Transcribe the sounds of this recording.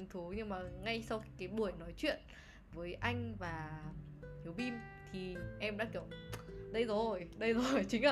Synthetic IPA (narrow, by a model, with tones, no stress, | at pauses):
ŋt̪ʰu˨˦ɲɨ˧ŋmaː˨˩ŋa˧jsa˧wxi˧˦kaː˨˦jɓu˧˩əjnɔ˨˦jt͡ɕwḭ˧˨ən | vəː˨˦jʔa˧jŋ̟vaː˨˩ | hi˨˦əwɓi˧m | t̪ʰi˨˩ʔɛ˧mɗa̰ː˧˥kə˨˩wŋ͡mɗə˧jzo˨˩jɗə˧jzo˨˩jt͡ɕï˨˦ŋ̟˧